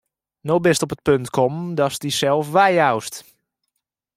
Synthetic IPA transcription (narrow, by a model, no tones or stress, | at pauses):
nobɪstɔpət̚pøntkʰɔmdɔsdisɛlˠfʋɛjawst